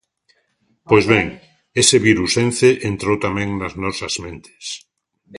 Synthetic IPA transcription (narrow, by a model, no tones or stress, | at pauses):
pojzβeŋ | eseβiɾusẽnθeʔent̪ɾowt̪amẽŋnaznɔsɐzmẽnt̪e̥s